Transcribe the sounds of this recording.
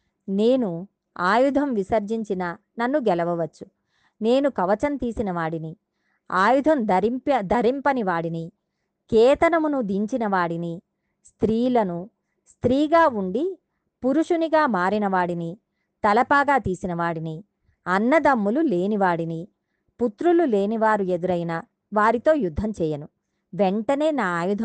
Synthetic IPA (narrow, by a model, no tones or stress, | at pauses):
ne̞ːnu | aːjud̪ʱɐmʋisɐɾd͡ʒiɲt͡ʃinɐnɐnːuɡɛlɐʋɐʋɐt͡ʃːu̥ | ne̞ːnukɐʋɐt͡ʃɐnt̪iːsinɐʋaːɽini | aːjud̪ʱɐnpd̪ʱɐɾimpɐniʋaːɽini | kɛːt̪ɐnɐmunud̪iɲt͡ʃinɐʋaːɽini | st̪ɾiːlɐnu | st̪ɾiːɡaːuɳɖi | puɾuʂuniɡaːmaːɾinɐʋaːɽini | t̪ɐlɐpaːɡaːt̪iːsinɐʋaːɽini | ɐnːɐd̪ɐmːulule̞ːniʋaːɽini | put̪ɾulule̞ːniʋaːɾued̪uɾɐjnɐ | ʋaːɾit̪o̞ːjud̪ʱːɐmt͡ʃɛːjɐnu | ʋeɳʈɐne̞ːnaːaːjud̪ʱɐ